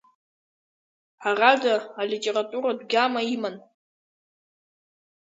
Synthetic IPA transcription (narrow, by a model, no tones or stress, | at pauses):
aradaːlitʲʼe̞ɾatʼuɾadɡʲamaiman